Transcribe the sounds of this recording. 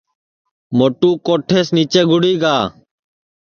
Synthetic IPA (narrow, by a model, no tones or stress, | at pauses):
moːʈuːkoːʈʰeːsniːt͡ʃeːɡʱʊɽiːɡaː